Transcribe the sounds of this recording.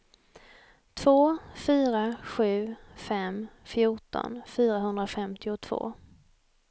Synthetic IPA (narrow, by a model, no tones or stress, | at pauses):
t̪ʰv̥oːfyːɾaɧʉ̟ːfɛmfjʊʈɔ̰nfyːɾaɦɵnd̪ɾafɛmt̪ʰɪʊt̪ʰv̥o̰ː